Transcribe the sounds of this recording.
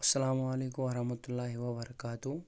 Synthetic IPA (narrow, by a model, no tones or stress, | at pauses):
ɐsːɐlaːmʊɐleːkʊmɐɾɐhmɐt̪ʊlːaːɦiʋɐbɐɾɐkaːt̪u